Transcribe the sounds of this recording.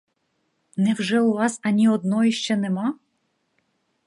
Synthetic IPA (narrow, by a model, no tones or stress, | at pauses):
nɛwʐɛuʋɑsɐnʲiɔd̪nɔiʃt͡ʃɛnɛmɑ